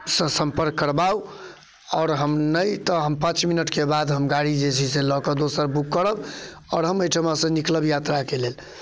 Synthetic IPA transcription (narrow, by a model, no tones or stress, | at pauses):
sə̃sə̃mpəɾkːəɾbau | ɔɾɦəmnəjt̪əɦəmpãt͡ʃminəʈkebad̪ɦəmɡaɽid͡ʒet͡ʃʰiselɔkəd̪osəɾbukːəɾəbɔːɾɦəməjʈʰəmãsə̃nikləbjat̪ɾakelel